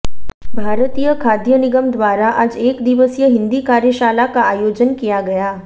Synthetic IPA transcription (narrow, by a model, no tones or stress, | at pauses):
bʱaːɾət̪ijəkʰaːd̪jənɪɡəmd̪waːɾaʔad͡ʒeːkd̪ɪʋəsjəɦɪ̃nd̪ikaːɾjəʃaːlakaaːjoːd͡ʒənkijaɡɐjaː